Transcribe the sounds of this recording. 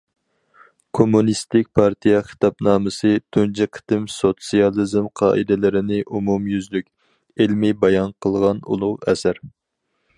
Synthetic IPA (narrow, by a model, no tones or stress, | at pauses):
kʰomunist̪ɪk̚ʲpʰɑɾt̪ʰijɛχi̥t̪ɑpnɑːmɨsɨt̪ʰund͡ʒɛqʰə̥t̪ɪmsot̪sijɑlˠizmqʰɑːʔɨd̪ɪlɪɾɪnɪʔumumjyzlykʲ | ɪlmɪbɑjɑnqʰəlˠʁɑnṵlˠʊʁɛsæɾ